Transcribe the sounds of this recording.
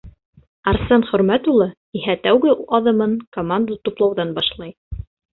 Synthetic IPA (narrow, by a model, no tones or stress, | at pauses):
ɑɾsɑnχɵ̆ɾmæt̪ulˠɤ | iɦæt̪æwɡɘɑðɤ̆mɤnkomand̪ət̪uplˠɑwðɑnbɑʃlˠɑj